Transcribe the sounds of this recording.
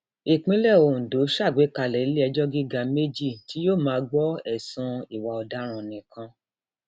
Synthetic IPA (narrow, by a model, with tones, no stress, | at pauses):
i˨k͡pĩ˨˦lɛ˦˨o˨do˨˦ʃa˦˨ɡ͡be˨˦ka˧˨lɛ˨˦le˦ɛ˧d͡ʒɔ˦ɡi˦ɡa˧˦me˦d͡ʒi˦˨ti˨˦joː˦˨mãː˨˦ɡ͡bɔ˦ɛ˨sũ˧i˨wa˨ɔ˨da˦ɾ̃ũ˨nĩ˨kã˧